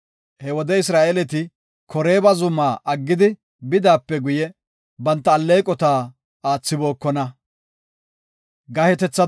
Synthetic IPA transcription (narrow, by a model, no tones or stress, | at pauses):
hɛwɔd̪ɛɪs̬ɾaːʔɛlɛt̪ɪ | kʰɔɾe̞ːbɐzʊmːaːʔɐɡːɪd̪ɪ | bɪd̪aːpːɛɡʊjɛ | bɐnt̪ːɐːlːɛjkʼɔt̪aː | aːt͡sːɪbo̞ːkːɔnɐ | ɡɐhɛt̪ɛt͡sːɐ